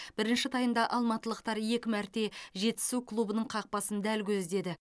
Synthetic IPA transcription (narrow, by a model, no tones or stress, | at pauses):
b̥ɪɾɪnʃɪt̪ʰɑjənd̪ɑʔɑlˠmɑt̪əlˠəqt̪ɑɾje̞kʲɪmæɾt̪e̞ʒe̞t̪ːɪ̥suklˠubənəɴqʰɑq̚pɑsənd̪ælkʲʰɵzd̪e̞d̪ɪ